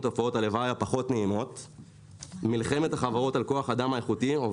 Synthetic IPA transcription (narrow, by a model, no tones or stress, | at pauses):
t̪ofao̞talevajapaχo̞tneimo̞t | milχe̞me̞taχavaʁo̞talko̞aχadamaeχutio